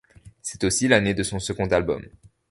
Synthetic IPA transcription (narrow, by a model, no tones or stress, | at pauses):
sɛ̥t̪osilaned̪əsɔ̃səɡɔ̃t̪albɔ̰m